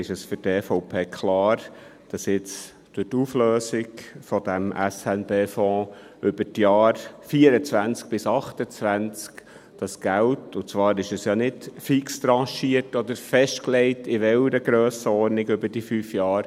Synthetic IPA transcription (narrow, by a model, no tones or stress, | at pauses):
ɪʃɛsfʏɾtɛfɔʊpʰeːkʰχlɑːɾ | d̥ɑsjɪt͡s | d̥ʊtuːfløːsɪɡfɔd̥̪æmʔæ̰sɛnbeːfɔ̃ː | ʏb̥əɾtjɑːɾfiəɾət͡sʋænt͡sk̚b̥ɪsɑχtət͡sʋænt͡sk | d̥ɑsɡ̥æwtʊt͡sʋɑːɾɪʃɛsjɑːnɪdfikst̪ɾɑ̃ːʃiətɔd̪əɾfɛʃtkleɪtʰɪʋɛwɾəɡɾøːsəɔɾnɪɡʏbəd̥ifyːfjɑːɾ